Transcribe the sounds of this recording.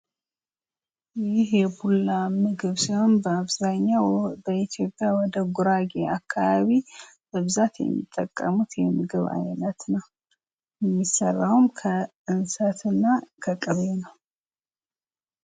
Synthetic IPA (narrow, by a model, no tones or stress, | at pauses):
jɪhjɛbulːamɨɡɨβsiho̞nbəaβzaɲːawbəit̪ʰjo̞pʼːjawɔd̪əɡuɾaɡeakʰːaβaβi | mɨβzat̪jɛ̰mːḭt̪ʼːəkʼːəmut̪jɛmɨɡɨβa̰jlət̪nəw | jɛmːisərːawmkʰə | ɨnsət̪ɨnːakʰəkʼɨβenəw